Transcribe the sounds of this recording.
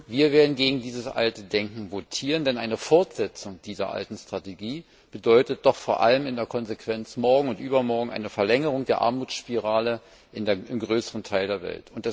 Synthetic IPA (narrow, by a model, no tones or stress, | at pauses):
viːɐveːɐdn̩ɡeːɡŋ̩diːzəsʔa̰ltədɛŋkŋ̩votʰiːʁəndɛnʔaɪnəfɔɐtz̥ɛt͡sʊŋd̥iːzɐ̰ʔa̰ltn̩stʁ̥ateɡiː | b̥ədɔʏtət̚d̥ɔχfoːɐʔa̰ləmɪndeːɐkʰɔnzekʰv̥ɛnt͡smɔɐɡŋ̩ʊntʔyːbɐmɔɐɡŋ̩ʔa̰ɪnəfɛɐlɛŋəʁ̞ʊŋdeːɐʔa̰ɐmuːt͡sʃpiʁaːlə | ʔɪndeːɐɪmɡʁøːsəʁəntʰaɪldeːɐvɛ̰ltʊntd̥ɛ